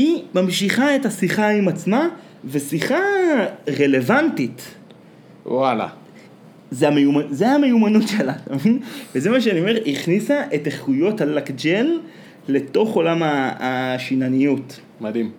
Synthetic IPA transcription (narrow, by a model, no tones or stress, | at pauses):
imamʃiχae̞tasiχaimat͡sma | ve̞siχa | ʁele̞vantit | wwala̰ | zeamejumazeame̞jumanutʃe̞latamevinvezemaʃeanio̞me̞ʁiχnisaʔe̞teχujo̞thalakd͡ʒelː | e̞to̞χo̞lamaːʃinanijut | mad̪im